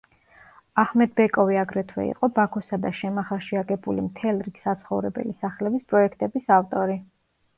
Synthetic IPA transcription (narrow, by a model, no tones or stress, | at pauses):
ahmɛd̪̚bɛkʼɔviaɡɾɛt̪ʰwɛ̰ḭqʼɔbakʰɔsad̪aʃɛmaχaʃiaɡɛbulimt̪ʰɛlˠɾiɡsat̪sʰχɔvɾɛbɛ̰lisaχlɛbispʼɾɔɛkʰt̪ʼɛbisaft̪ʼɔɾi